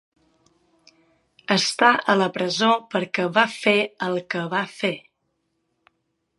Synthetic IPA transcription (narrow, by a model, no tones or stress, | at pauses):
əst̪aʔələpɾəzopəɾkəβafeəlˠkəβafe